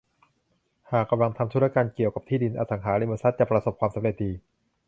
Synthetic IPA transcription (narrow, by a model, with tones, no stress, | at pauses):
haː˨˩k̚ːa˧mla˧ŋt̪ʰa˧mt̪ʰɾ̚a˧kaː˧nki˨˩əwka˨˩p̚t̪ʰiː˥˩di˧nʔaː˧˩sa˩˦ŋɦaː˩˦ɾɯ˧˥˩mː˧nsa˦˥t̪̚t͡ɕa˨˩pɾa˧so˨˩p̚kʰwaː˧msa˨˦ɾe˨˩t̪̚diː˧